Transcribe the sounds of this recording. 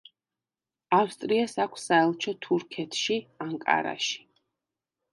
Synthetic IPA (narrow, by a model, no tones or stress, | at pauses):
afst̪ʼɾiasakʷʰsaɛlˠt͡ʃʰɔt̪ʰuɾkʰɛt̪ʰʃiamkʼa̰ɾa̰ʃi̥